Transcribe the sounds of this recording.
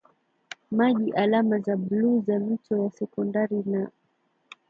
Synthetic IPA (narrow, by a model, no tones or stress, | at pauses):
maʄiʔalamazaɓluzam̩tɔwasɛkɔndaɾina